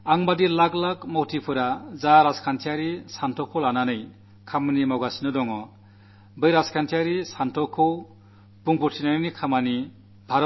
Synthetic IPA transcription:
aŋbadilaɡlakmɔwtʰipʰɯɾazaɾaskʰantʰijaɾisantʰɔkʰɔlananɯj | kʰamanimawɡasinɯdɔŋɔ | bɯjɾaskʰantʰiaɾisantʰɔkʰɯw | puŋpuɾtʰinanɯnikʰamani | bʱaɾɔ

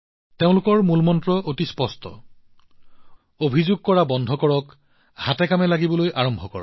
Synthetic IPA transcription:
teʊ̃lʊkɔɹmulmɔntɹɔʔotispɔstʰɔ̰ | obʱizʊɡ̚kɔɹabɔndʱɔkɔɹɔk | hatɛkamɛlaɡibɔlojʔaɹɔmbʱɔkɔ̰ɹɔ̰

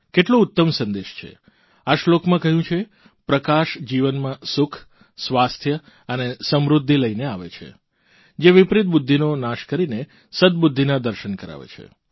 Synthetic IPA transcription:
keʈlõut̪ːəmsə̃nd̪eʃt͡ʃʰḛ | aʃlokmãkəɦjũt͡ʃʰe | pɾəkaʃd͡ʒiʋənmãsʊkʰ | sʋast̪ʰjə | ənesəmɾud̪ʱːiləineaʋḛt͡ʃʰḛ | d͡ʒeʋipɾɪt̪̚bud̪ʱːinonaʃkəɾine | səd̪bud̪ʱːinad̪əɾʃənkəɾa̰ʋḛt͡ʃʰḛ

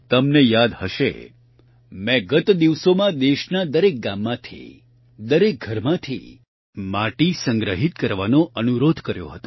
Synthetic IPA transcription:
t̪əmnejad̪həʃḛ | mɛ̃ɡət̪d̪iʋsomãd̪eʃnad̪əɾek̚ɡamːãt̪ʰḭ | d̪əɾek̚ɡʱəɾmãt̪ʰḭ | maʈisə̃ŋɡɾəɦit̪kəɾʋanoʔənuɾod̪ʱkəɾjo̰ɦət̪o

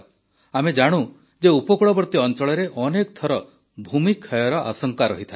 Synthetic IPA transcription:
amed͡ʒaɽ̃u | d͡ʒeupɔkuɭɔbɔɾt̪iɔnt͡ʃɔɭɔɾeʔɔnekɔt̪ʰɔɾɔ | bʱumikʰɔjɔɾɔʔa̰sɔŋkaɾɔɦit̪ʰae

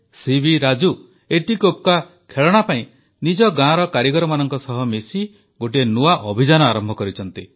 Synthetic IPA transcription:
sibiɾad͡ʒu | eʈikopka | kʰeɭɔɽ̃apaĩ | nid͡ʒɔɡãɾɔkaɾjiɡɔɾɔmanɔŋkɔsɔɦɔmesi | ɡoʈ̬ienuaʔɔbʱid͡ʒanɔaɾɔmbʱɔkɔɾit͡ʃʰɔnt̪i

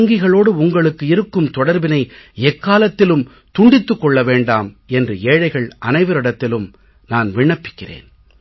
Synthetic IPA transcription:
ŋɡɪɣɐɭoːɽɯʊŋɡɐɭɯkːɯɪɾɯkːɯmt̪ɔɽɐɾbɪnɐɪɛkːaːlɐt̪ːɪlɯm | t̪ʊɳɖɪt̪ːɯkːɔɭːɐʋeːɳɖaːm | ɛndrɯeːɻɐɪɣɐɭʔɐnɐɪʋɐɾɪɽɐt̪ːɪlɯm | naːnʋɪɳːɐpːɪ̥kːɪrḛːn

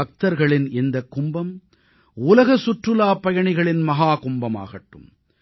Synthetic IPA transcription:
ɐk̚t̪ɐɾɣɐɭɪnɛnd̪ɐkːʊmbɐm | ʊlɐɣɐsʊʈrɯlaːpɐjɐɳɪɣɐɭɪnmɐɦaːkʊmbɐma̰ːɣɐʈːɯ̰m

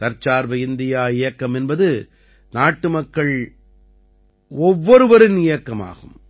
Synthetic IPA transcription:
t̪ɐɾt͡ʃːaːɾʋɐɪnd̪ɪjaːɪjɐkːɐmɛnbɐðɯ | naːʈːɯmɐkːɐɭ | ɔʋːɔɾɯʋɐɾɯnɪjɐkːɐma̰ːɣɯ̰m

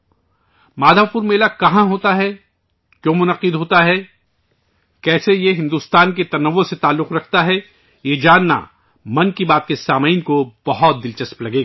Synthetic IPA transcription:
maːd̪ʱapʊɾmeːlakɐɦãɦoːt̪aɦɛ | kjõːmʊnɐqɪd̪ɦoːt̪aɦɛ | kɛːsejeɦɪ̃nd̪uːst̪aːnk̬et̪ɐnɐʋːoset̪aːlːʊqɾɐkʰt̪aɦɛ | jed͡ʒaːnːa̰ | mɐ̃nkibaːt̪̚kesaːmaiːnkob̥ɐɦɔt̪̚d̪ɪlt͡ʃɐsplɐɡeːɡa

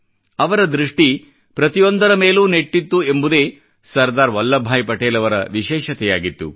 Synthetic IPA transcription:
ɐʋɐɾɐd̪ɾiʂʈi | pɾɐt̪ijond̪ɐɾɐme̞ːluːne̞ʈːit̪ːuembud̪eː | sɐɾd̪aːɾʋɐlːɐbʱaːjpɐʈeːlɐʋɐɾɐ̰ʋiʃɛːʃɐt̪ɛja̰ːɡit̪ːṵ

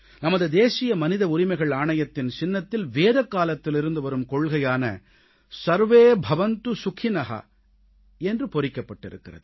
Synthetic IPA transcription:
nɐmɐðɯd̪eːsɪjɐmɐnɪðɐʊɾɪmɐɪɣɐɭaːɳɐjɐt̪ːɪnsɪnːɐt̪ːɪlʋeːðɐkːaːlɐt̪ːɪlɪɾɯnd̪ɯʋɐɾɯmkɔɭɣɐjaːnɐ̰ | sɐɾʋeːbʱɐʋɐnt̪ɯsʊkʰɪnɐɦɐ̰ | ɛndrɯpɔrɪkːɐpːɐʈːɪ̰ɾɯ̰kːɪrɐ̰ðɯ

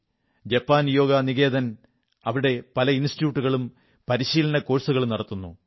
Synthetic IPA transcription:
d͡ʑɐpːaːnjo̞ːɡɐniɣe̞ːd̪ɐn | ɐʋiɽe̞pɐlɐinstjuːʈːuɣɐɭum | pɐɾiɕiːlɐnɐko̞ːɻsuɣɐɭumnɐɽɐt̪ːunːu

